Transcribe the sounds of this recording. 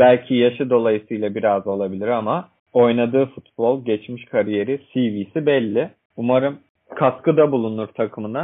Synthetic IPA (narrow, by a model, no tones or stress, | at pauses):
bælʲcʰijaʃɯd̪o̞lˠajɯsɯjlˠabiɾazo̞lˠabilʲiɾama | o̞jnad̪ɯːfut̪̚b̥o̞lˠɟɛt͡ʃmiʃkʰaɾije̞ɾisiviːsibɛlʲːɪ | umaɾɯm | kʰaskɯd̪abulˠunuɾt̪ʰakʰɯmɯna